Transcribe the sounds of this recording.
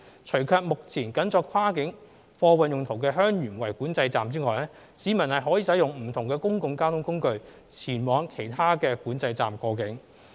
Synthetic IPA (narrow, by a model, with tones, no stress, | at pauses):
t͡sʰɵ˨˩ɥkʰœː˧k̚mʊ˨k̚t͡sʰiː˨˩nkɐ˨˥nt͡sɔː˧kʰwaː˥kɪ˨˥ŋ | fɔː˧wɐ˨njʊ˨ŋt̪ʰʊ˨˩wkɛː˧ɦœː˥ŋjyː˨˩nwɐ˨˩jkuː˨˥nt͡sɐ˧jt͡saː˨mt͡siː˥ŋɔː˨jlɛː˥ | siː˨˧mɐ˨˩nhɐ˨jɦɔː˨˥jiː˨˧sɐ˨˥jʊ˨ŋm̩˨˩t̪ʰʊ˨˩ŋkɛː˧kʊ˥ŋkʊ˧ŋkaː˥wt̪ʰʊ˥ŋkʊ˥ŋkɵ˧ɥ | t͡sʰiː˨˩nwɔː˨˧ŋkʰe˨˩jt̪ʰaː˥kɛː˧kuː˨˥nt͡sɐ˧jt͡sa̰ː˨mkɔː˧kɪ˨˥ŋ